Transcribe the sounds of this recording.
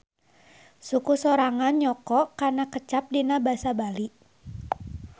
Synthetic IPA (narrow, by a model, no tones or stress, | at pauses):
sukusoɾaŋanɲɔkɔʔkarnakət͡ʃap̚dinabasabaliʔ